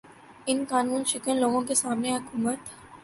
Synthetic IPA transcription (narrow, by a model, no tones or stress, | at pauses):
ɪnkaːnuːnʃɪkənloːɡõkesaːmneɦʊkuːmət̪